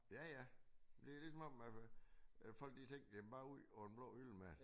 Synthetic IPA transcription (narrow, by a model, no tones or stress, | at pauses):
jæjænd̥e̝lid̥sɒ̽mɒ̽m̰æ | fɒ̽l̰ɡ̥̚d̥it͡sʰeŋ̰d̥emb̥ɑ̈ːuð̰ˠɒe̝nb̥lɔ̰ːyl̰mæd̥